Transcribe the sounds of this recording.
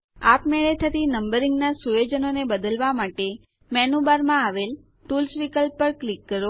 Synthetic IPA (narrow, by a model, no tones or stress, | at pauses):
apmeɭet̪ʰət̪inəmbəɾiŋɡnasujod͡ʒənonebəd̪əlʋamaʈe | mɛnubaɾmãaʋel | ʈulsʋikəlpːəɾklikːəɾo